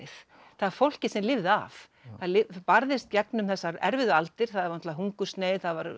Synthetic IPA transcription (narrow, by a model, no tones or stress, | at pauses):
ɪθ | θaðaɾfowl̥cɪ̥sɛmlɪvða̰f | θaðlɪpaɾðɪst̪̚cɛknʏmθɛsːaɾɛ̰ɾvɪðʏalt̪ɪɾ̥θaðvanɔt̪laɦuŋkʏst̪neːjθaðvaɾ